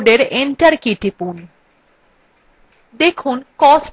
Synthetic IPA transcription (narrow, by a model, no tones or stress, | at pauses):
ɖeɾeɳʈaɾkiʈipul | d̪ekʰunkɔs